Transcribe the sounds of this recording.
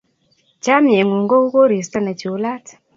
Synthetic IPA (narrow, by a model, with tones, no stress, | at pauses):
t͡ʃa˦mje˨ŋu˨ŋɡo˦u˦ko˦ɾi˨sta˦na˨t͡ʃu˦la˦t